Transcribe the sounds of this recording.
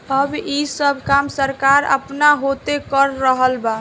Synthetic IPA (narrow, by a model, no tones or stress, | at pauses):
əbisəbʱkamsəɾkaɾə̰pnaɦott̪ekəɾːəɦəlba